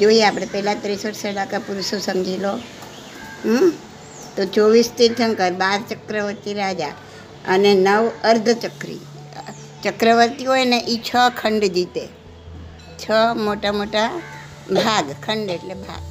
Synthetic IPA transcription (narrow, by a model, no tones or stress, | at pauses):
d͡ʒoieapɽ̃epɛɦlat̪ɾisəʈʰsəɽakapuɾʃosəŋɡʱilo | t̪ot͡ʃoʋist̪iʈʰəŋkəɾbaɾt͡ʃəkɾəʋəɾt̪iɾad͡ʒa̰ | ənenəʋəɾd̪ʱət͡ʃəkɾḭ | t͡ʃəkɾəʋəɾt̪iɦoeneʔit͡ʃʰəkʰəɳɖd͡ʒit̪e | t͡ʃʰəmoʈamoʈa | bʱaɡkʰəɳɖeʈlebʱa̰ɡ